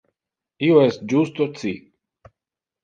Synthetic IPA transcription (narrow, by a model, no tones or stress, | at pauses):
ioest̪̚d͡ʒust̪ot͡si